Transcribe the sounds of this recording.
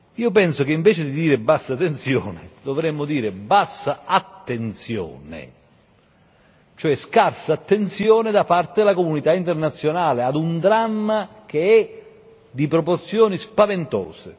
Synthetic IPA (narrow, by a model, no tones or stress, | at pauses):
iːʊp̬ɛnsokeiɱvɛːt͡ʃɪd̪id̪iːɾɪbasːat̪ːensjɔːnɪd̪ovɾɛmːʊd̪iːɾɪbasːaat̪ːent̪sjɔ̰ːnɪ̰ | t͡ʃoɛskarsaːt̪ːent̪sjɔːnɪd̪apart̪ed̪lakomunit̪aint̪ernat̪sːjonaːlead̪und̪ɾamːa | k̟eɛ | d̪ipɾɔport̪sjɔːnispavent̪ɔ̰ːsḛ